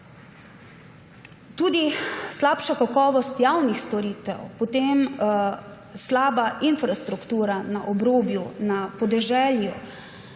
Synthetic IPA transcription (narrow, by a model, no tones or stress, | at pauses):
t̪uːd̪islaːpʃakakɔːʋɔst̪jawnixst̪ɔɾiːt̪ɛ̰wpɔt̪eːm | slaːbaʔinfɾast̪ɾukt̪uːɾanaʔɔbɾoːbjunapɔd̪ɛʒɛːlju